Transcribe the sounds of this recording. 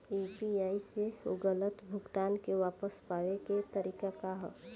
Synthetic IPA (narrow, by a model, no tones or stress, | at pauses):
iːpiaːiseʊ̰ɡələt̪bʱʊɡʈ̪aːnkeʋaːpəspaːʋeket̪əɾiːkakaɦɔ̰